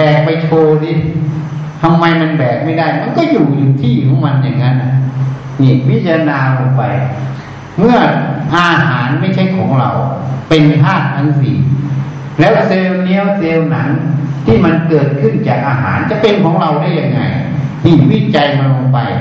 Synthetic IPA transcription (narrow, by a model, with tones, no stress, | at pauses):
ɛː˨˩k̚pa˧jt̪ʰoː˧si˧˩˨ | t̪ʰa˧mːa˧jma˧nbɛː˨˩k̚ma˥˩jda˥˩jma˧˨nkɔ˥˩juː˨˩lɯ˧ŋt̪ʰiː˥˩kʰɔː˨˦ŋma˧nja˨˧˩ŋːa˦˥nʔa˧˩ | ni˧˩wi˦˥˩t͡ɕʰa˧naː˧lo˧ŋpa˧j | mɯ˥˩ɐʔaː˧ɦaː˩˦nma˥˩jt͡ɕʰa˥˩jkʰɔː˩˦ŋɾa̰˧wpe˧nt̪ʰaː˥˩t̪̚t̪ʰa˧˥˩nsḭ˨˧˩ŋ | lɛː˦˥wseː˧wni˦˥ə˨wseː˧wna̰˩˦ŋt̪ʰiː˥˩ma˧nkɤː˨˩t̪̚kʰɯ˥˩nt͡ɕaː˨˩k̚ʔaː˧ɦa̰ː˩˦nt͡ɕa˨˧˩pe˧nkʰɔː˨˦ŋɾa˧wda˥˩ja˧ŋːa̰˧j | t̪ʰiː˧˩wiː˧˥˩t͡ɕa˧jma˧nlo˧ŋpa˧j